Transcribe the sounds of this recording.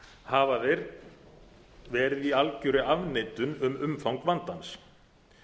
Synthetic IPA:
haːvaðɪɾ | vɛːɾɪðialcʏɾʏavneːjt̪ʏnʏmʏmfawŋkvant̪ans

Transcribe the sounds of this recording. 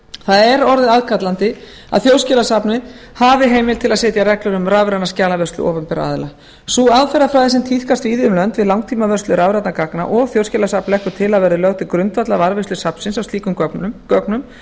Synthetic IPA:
θaðɛɾɔɾðɪðaðkʰat̪lant̪ɪ | a̰ðθjoːwscɛlasapnɪ | havɪɦeːjmɪlt̪ʰɪlaðseːt̪jaɾɛklʏɾʏmravɾanascaːlavœst̪lʏ̰ɔ̰ːvʏmpɛɾa̰ːðɪla | suaðfɛɾafɾaːðɪsɛmt̪ʰiθkast̪viːðɪʏmlœnt̪vɪðlawŋt̪ʰiːmavœrst̪lʏɾaːvɾat̪nakakna̰ʔɔɣθjowscɛlasapnlɛhkʏɾt̪ʰɪlaðvɛɾðɪlœwt̪ɪkɾʏnt̪vat̪lavaɾvest̪ʏsapn̥sɪnsawst̪iːkʏmkœœknʏm

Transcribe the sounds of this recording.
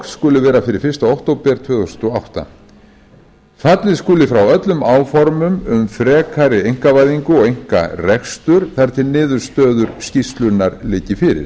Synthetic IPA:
skʏːlɪvɛːɾafɪɾɪɾ̥fɪr̥st̪aowht̪owpɛɾt̪ʰvœːðθsʏnt̪ɔawht̪a̰ | fat̪lɪskʏːlɪfɾawœt̪lʏmaːwfɔɾmʏmʏmfɾɛːkʰaɾɪejŋ̥kavajðiŋkʏɔɣejŋ̥ka̰rɛkst̪ʏɾ̥θaɾ̥t̪ɪnɪːðʏɾ̥st̪œːðʏɾscist̪lʏnːaɾlɪːcɪfɪːɾɪ̰ɾ

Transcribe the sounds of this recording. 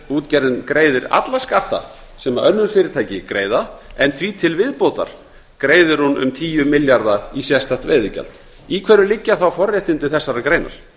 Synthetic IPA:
uːt̪cɛɾðɪnkɾeːjðɪɾa̰t̪laskaht̪a̰ | sɛmaʔœnːʏnfɪɾɪɾ̥t̪ʰaːjcɪkɾeːjðaɛnθviːt̪ʰɪlvɪðpoːwt̪a̰ɾ̥ | kɾeːjðʏɾ̥hunʏ̰mt̪ʰiːjʏmɪljaɾðaisjɛst̪aht̪veːjðɪcɛ̰lt̪ | ikʰvɛɾʏlɪcːaθawfɔrːjaht̪ɪnt̪ɪθɛsːaɾakɾeːjna̰ɾ̥

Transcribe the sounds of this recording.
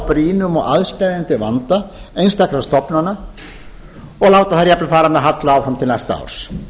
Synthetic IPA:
pɾiːnʏmɔɣaðst̪ajðɪnt̪ɪvant̪aejnst̪akɾast̪ɔpnanːa | ɔɣlaːwt̪aθaɾjapnʏfaːɾanaɦat̪laaːwfɾamt̪ʰɪlnajst̪aa̰wɾ̥s

